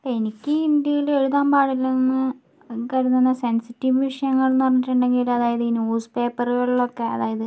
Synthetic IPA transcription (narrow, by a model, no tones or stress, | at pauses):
enikʲːɨind̪jɐjiɭe̞ɻuðaːmbaːɽilːenːɨ | kɐɻunːunːɐse̞nsitːiʋʋiʂɐjɐŋːɐɭnɐɐrɐɲːiʈːuɳɖe̞ŋɡiluɐðaːjɐðɨnjuːspe̞ːpːɐrɣɐɭiɭːo̞kːe̞ɐ̰ðaːjɐðɨ